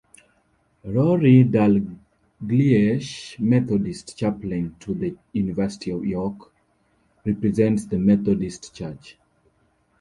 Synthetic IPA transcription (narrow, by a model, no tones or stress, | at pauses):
ɹɔɹidal | ɡliɛʃmɛθɔdistt͡ʃaplĩntʰuðəjunivɛsi̥tʰiɔvjɔk | ɹɛpɹɛzɛ̃ntsðəmɛθɔdistt͡ʃat͡ʃ